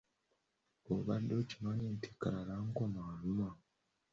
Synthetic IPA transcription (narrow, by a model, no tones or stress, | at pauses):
oβadocinaɲeːntʰe̥kaɾaɾaŋkomaːluma